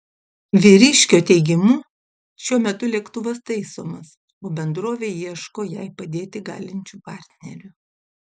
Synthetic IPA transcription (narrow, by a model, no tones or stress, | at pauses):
ʋʲiɾʲɪʃʲkʲoːt̪ʲɛɪɡʲɪmuː | ʃʲuɔmʲɛt̪ʊlʲɛkt̪ʊʋɐst̪ɐɪsoːmɐs | oːbʲɛnd̪ɾoːʋʲeːjiɛʃkoːjɛɪpɐd̪ʲeːt̪ʲɪɡɑ̰ːlʲɪnʲt͡ʃʲuːpɑːˑɾʲt̪ʲnʲɛɾʲʊ